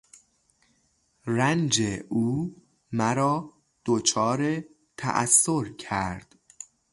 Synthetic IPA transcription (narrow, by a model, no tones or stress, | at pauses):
rænd͡ʒeʔuː | mæɾɒː | d̪̥ot͡ʃʰɒːɾe | t̪ʰæ̰ʔæ̰sːoɾcʰæɾd̪̥